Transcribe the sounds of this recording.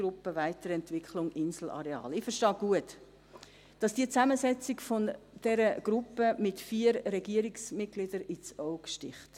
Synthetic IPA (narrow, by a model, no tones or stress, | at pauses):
ɾʊpːəvaɪtəɾɛntvɪkχlʊŋʔɪnsl̩ɑ̰ɾeɑ̰ːlɪfəʃtɑːɡ̥uət | d̥ɑsd̥iət͡sæməzɛt͡sɪkfond̥ɛɾəɡ̥ɾʊpːəmɪtfiːəɾɾɛɡiəɾiksmɪt̚ɡ̥lɪd̥əɾit͡sɔʊkʃtɪχt